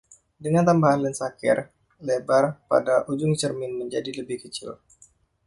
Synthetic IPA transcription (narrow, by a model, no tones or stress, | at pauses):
dəŋant̪ambaɦanlənsakɪ̰r | lebarpa̰daʔud͡ʒʊŋt͡ʃərmɪnməɲd͡ʒadiləbɪhkət͡ʃɪ̰l